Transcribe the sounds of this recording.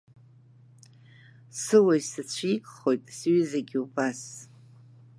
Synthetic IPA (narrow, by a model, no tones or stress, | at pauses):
sɨwaisat͡ɕʷʰikʼχo̞jtʼsɥɪzaɡʲiubas